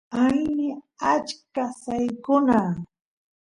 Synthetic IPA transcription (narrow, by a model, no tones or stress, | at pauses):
ajnɪat͡ʃkasajkʊna